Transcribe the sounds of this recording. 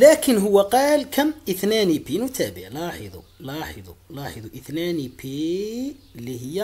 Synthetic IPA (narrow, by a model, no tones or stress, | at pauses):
lækənɦʊwːæqɑːlkʰæmʔəθnænibinwt̪æbəʕlɑħəd̪ˤṵlɑħəd̪ˤulɑħəd̪ˤuʔət̪nænipi | lːihəjːæ